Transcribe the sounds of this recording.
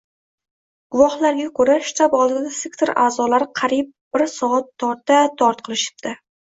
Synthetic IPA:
ɡ̥ʊvɒhlaɾɡʲakʰɵɾaʃɪ̥t̪ʰabɒlˠd̪ɪd̪asekt̪ʰeɾʔa̰ːzɒlaɾɪqʰɑɾip̚bɪɾsɒat̪ʰːɒɾt̪at̪ʰɒɾt̪̚qʰɨlˠɪʃɪ̥b̚d̪ɪ

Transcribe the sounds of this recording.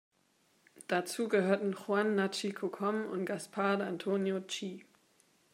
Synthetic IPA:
d̥at͡suːɡəhøːɐtn̩χwanːat͡ʃikʰokʰɔmʊ̰ntɡ̥aspʰaɐdantʰoːnjot͡ʃiː

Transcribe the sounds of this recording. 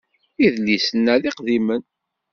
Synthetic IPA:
iðlːisənːæðiqðimən

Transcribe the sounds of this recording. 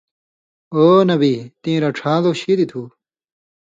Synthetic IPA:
oːnɐbit̪ĩːɾɐʈ͡ʂʰãːd̪oɕiːd̪it̪ʰuː

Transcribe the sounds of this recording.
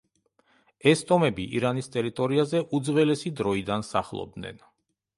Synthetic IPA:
ɛst̪ʼɔmɛbiʔḭɾanist̪ʼɛɾit̪ʼɔɾiazɛʔud̪zvɛlɛsid̪ɾɔid̪ansaχlˠɔ̰b̚d̪nɛ̰n

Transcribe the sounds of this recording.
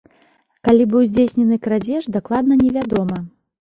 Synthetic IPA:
kalʲibɨwzʲd͡zʲesʲnʲɛnɨkɾad͡zʲɛʐd̪aklˠad̪nɐnʲɛvʲad̪ɔmɐ

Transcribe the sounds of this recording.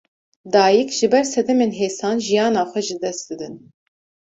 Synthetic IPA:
d̪ɑːjikʒ̥ɨbɛɾsɛd̪ɛmeːnɦeːsɑːnʒijɑːnɑːxʷɛʒɨd̪ɛst̪̚d̪ɨd̪ɨn

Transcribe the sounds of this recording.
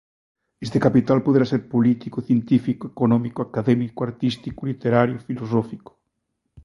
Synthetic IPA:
est̪ekapit̪alpoðeɾaseɾpolit̪ikoθjent̪ifikoekonɔmikoakaðemikoaɾt̪ist̪ikulit̪eɾaɾjʊfilosofiko̥

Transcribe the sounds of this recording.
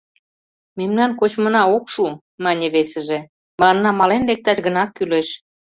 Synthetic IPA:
memnɑnkot͡ɕmə̆nɑokʃu | mɑnʲeβesə̆ʒĕ | mənnːɑmɑlenlek̚t̪ɑʃɡənɑkːyleʃ

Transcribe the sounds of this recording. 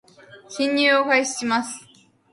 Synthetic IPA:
kʲĩɲʲːɨːokaiɕi̥ɕimasɨ̥

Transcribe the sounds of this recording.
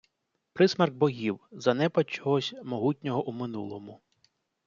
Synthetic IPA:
pɾɪsmɐrɡ̚bɔɦʲiwzɐnɛpɐt͡ʃɔɦɔsʲmɔɦutʲnʲɔɦɔʔumɪnṵlˠɔmʊ

